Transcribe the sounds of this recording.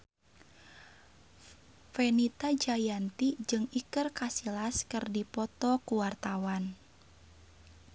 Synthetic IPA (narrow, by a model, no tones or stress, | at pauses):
fɛnit̪ad͡ʒajant̪id͡ʒɨŋikɨrkasilaskɨrdipɔt̪ɔkuwart̪awan